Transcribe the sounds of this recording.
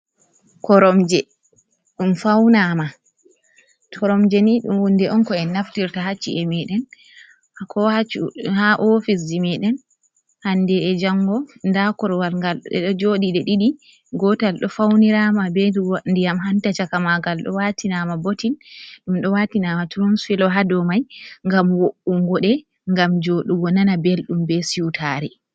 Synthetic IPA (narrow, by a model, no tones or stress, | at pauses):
kɔɾɔmd͡ʒɛ | ɗumfawnama | tʰɔɾɔmd͡ʒɛniɗṵmwundɛʔɔnkɔɛnaftiɾtaɦat͡ʃːḭʔɛmɛɗɛn | kʰɔhat͡ʃuhaʔofis̬dimɛɗɛn | handɛɛd͡ʒaŋɡɔndakɔɾwalŋɡalɛ̰ɗɔd͡ʒoɗiɗɛɗiɗi | ɡɔtalɗɔfawniɾamabɛndijamɦantat͡ʃakamaɡalɗɔ̰watinamabotinɗumɗɔwatinamatuɾunsfilɔɦadɔmajŋɡamwoʔuŋɡɔɗɛ | ŋɡamd͡ʒoɗuwɔnanabelɗumbɛsiutʰaɾi